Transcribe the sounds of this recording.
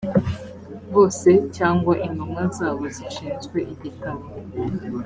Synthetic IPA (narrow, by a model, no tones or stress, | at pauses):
ɡoːsecaːŋɡwaʔinumazaːβoziʃiːnzɡweʔiβitamo